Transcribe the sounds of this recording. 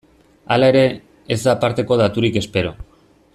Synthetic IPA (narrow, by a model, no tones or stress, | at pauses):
alae̞ɾe̞ː | zd̪apaɾt̪e̞ko̞ð̞at̪uɾike̞spe̞ɾo̞